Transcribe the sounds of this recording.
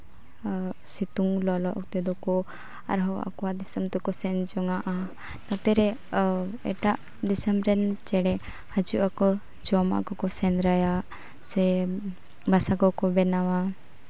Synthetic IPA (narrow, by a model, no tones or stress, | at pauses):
sit̪uŋlɔlɔʔɔk̚t̪ɛd̪ɔkɔ | a̰ɾɦɔa̰kɔwad̪isɐmt̪ukɔsɛnd͡ʒɔŋaʔa | nɔt̪ɛɾɛ | ɛ̰ʈaʔ | d̪isəmɾɛnt͡ʃɛɽɛ | had͡ʒuʔakɔ | d͡ʒɔma̰ʔɡɔkɔsɛnɾaja | sɛ | basaɡɔkɔbɛnawa